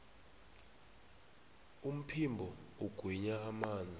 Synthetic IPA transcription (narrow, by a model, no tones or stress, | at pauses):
um̩pʰimbʱɔuɡ̥ʱwiɲaːmaːnd͡zʱi